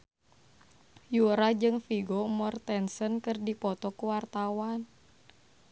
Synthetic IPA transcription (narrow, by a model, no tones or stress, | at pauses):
juɾad͡ʒɨŋfiɡomɔrt̪ɛnsənkɨrdipɔt̪ɔkuwart̪awan